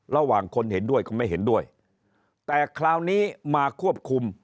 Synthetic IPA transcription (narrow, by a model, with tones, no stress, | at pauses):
ɾa˧waː˨˩ŋkʰo˧nhe˩˦ndu˥˩əjkɔː˥˩ma˥˩jɦe˩˦ndu˥˩əj | t̪ɛː˨˩kʰlaː˧wniː˦˥maː˧kʰu˥˩əp̚kʰu˧m